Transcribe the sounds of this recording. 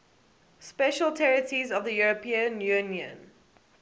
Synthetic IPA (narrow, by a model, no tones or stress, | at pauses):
spɛʃəlˠtʰɛɹətizɔvðəjuɹəpʰĩə̃njʉ̃niə̰̃n